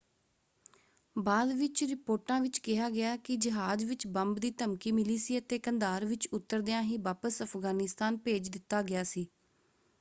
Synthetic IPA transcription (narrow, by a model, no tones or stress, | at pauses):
baːd̪ʋɪt͡ʃɾɪpoːʈãːʋɪt͡ʃkɪɦaːɡɪaːkɪd͡ʒəɦaːd͡ʒʋɪt͡ʃbəmbd̪iːt̪əmkiːmɪliːsiːət̪eːkənd̪aːɾʋɪt͡ʃʊt̪ːəɾd̪ejãːɦiːʋaːpəsəpʰɡaːnɪst̪aːnpeːd͡ʒd̪ɪt̪ːaːɡɪaːsiː